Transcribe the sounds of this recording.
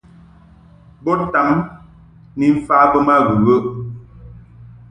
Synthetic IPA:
bo˦ta˨ŋ | ni˨m̩˨faː˨˦bə˦ma˦ɣə˨ɣə˦ʔ

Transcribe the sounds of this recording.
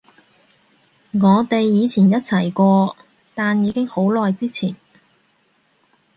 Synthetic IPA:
ŋɔː˨˧t̪e˨jːiː˨˧t͡sʰiː˨˩njɐ˥t̚t͡sʰɐ˨˩jkʷɔː˧ | t̪aː˨njiː˨˧kɪ˥ŋho˨˥wlɔː˨jt͡siː˥t͡sʰiː˨˩n

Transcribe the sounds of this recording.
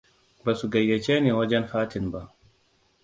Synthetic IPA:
ba˨su˨ɡa˨jːɛ˨t͡ʃeː˦neː˨wɐ˦d͡ʒɛ˦nɸaː˦tɪ˨nba˦˨ʔ

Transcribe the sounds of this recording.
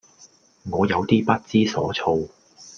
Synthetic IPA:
ŋɔː˨˧jɐ˨˧wt̪iː˥pɐ˥t̚t͡siː˥sɔ̰ː˨˥t͡sʰo˧w

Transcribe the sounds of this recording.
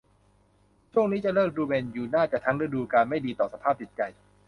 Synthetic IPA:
t͡ɕʰu˥˩əŋ̚niː˦˥t͡ɕa˨˩ɾɤː˥˩m̚ɾuː˧beː˧njuː˨˩naː˥˩t͡ɕaː˨˩k̚t̪ʰa˦˥ŋɾa˧duː˧kaː˧nma˥˩jdiː˧t̪ɔː˨˩sa˧pʰaː˥˩p̚t͡ɕ̪i˨˩t̪̚t͡ɕa˧j

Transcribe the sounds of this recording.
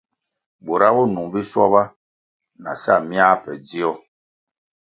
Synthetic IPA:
bo˨ɾa˦bɔ˦nu˨ŋbi˦swɔ˦ba˦ | na̰˨sa˦˨mi˦a˦pɛ̰˨d͡zi˦ɔ˦

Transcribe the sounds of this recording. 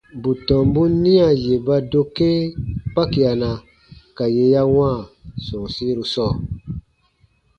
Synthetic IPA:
bu˨tɔ̃˨mbu˦nĩ˦a˨je˨ba˧do˧ke˦k͡pa˦ki˨a˨na˨ | ka˨je˨ja˦w̃ã˦˨sɔ̃˨si˦ɾu˧sɔː˦˨

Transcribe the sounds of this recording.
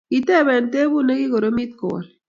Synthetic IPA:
i˨tɛ˦˨βɛ˨nte˦bu˦ne˦ki˦ko˨ɾo˦mi˦t̪̚kɔ˨wɔ̰˨l

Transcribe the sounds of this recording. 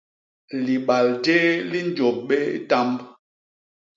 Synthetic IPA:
li˨ɓa˨lde˦li˦n˦d͡ʒo˨p̚ɓe˦ta˦mb

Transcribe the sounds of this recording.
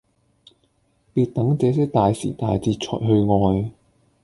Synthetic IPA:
piː˧t̚t̪ɐ˨˥ŋt͡sɛː˨˧˥sɛː˥k̚t̪aː˨jsḭ˨˩t̪aː˨˧jt͡siː˧t̚t͡sʰɔ̰ː˨˩jɦɵ˧ɥŋɔː˧j

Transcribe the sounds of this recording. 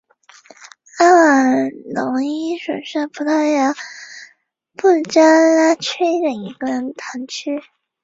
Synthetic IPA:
a˥˨˩lʊ˧˥ŋi˥ʂə̰˨˩nʂa˥˩pʰu˧˩t̪ʰa˥ja˥˩ | pu˥˩t͡ɕa˥la˥˩t͡ɕʰe˥ʈ͡ʂə˨˩ni˧˥ɡə˧ɻə˧˥nt̪ʰa˧˥nt͡ɕʰy˥

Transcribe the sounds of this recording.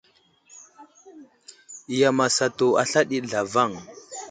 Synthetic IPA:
i˨ja˨ma˨sa˨to˨a˨ɬa˦ɗi˦ɮa˨va˦˨ŋ

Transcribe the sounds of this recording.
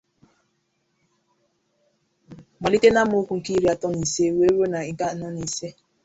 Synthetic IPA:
ma˨li˦te˦na˦mʊ˦kʷu˨ŋ̩˨ki˦ɾi˦a˨tɔ˦ni˨se˦we˦ɾo˦na˨i˨˦ŋ˨ka˦na˦ni˨se˦

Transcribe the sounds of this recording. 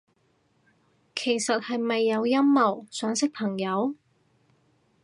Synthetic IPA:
kʰe˨˩jsɐ˨t̚hɐ˨jmɐ˨jːɐ˨˧wjɐ˥mːɐ˨˩wsœː˨˥ŋsɪ˥k̚pʰɐ˨˩ŋjɐ˨˧˥w

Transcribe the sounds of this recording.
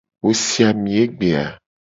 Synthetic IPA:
wo˦si˦a˨mĩ˨e˦ɡ͡be˨a̰˨

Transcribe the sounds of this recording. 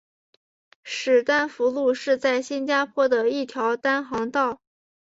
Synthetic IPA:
ʂɻ̩˨˩t̪a˥˩nfu˧˥lu˥˧ʂɻ̩˥˧t͡sa˥˩ɪɕi˥nt͡ɕja˥pʰwɔ˥d̪ə˨i˥˩t̪ʰjɑ˧˥ʊt̪a˥nxɑ˧˥ŋt̪ɑ˥˩ʊ

